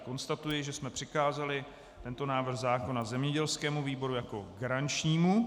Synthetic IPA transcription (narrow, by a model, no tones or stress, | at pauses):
ko̞nst̪at̪ujɪʒɛsmɛpr̥ɪkaːzalɪ | t̪ɛnt̪o̞naːvr̩xzaːko̞nazɛmɲɛɟɛlskɛːmuviːbo̞ɾujako̞̰ɡaɾant͡ʃɲiːmu